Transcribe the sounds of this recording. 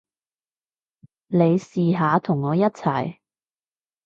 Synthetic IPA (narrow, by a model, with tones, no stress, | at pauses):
le˨˧jsiː˨ɦaː˨˧t̪ʰʊ˨˩ŋːɔː˨˧jɐ˥t̚t͡sʰɐ˨˩j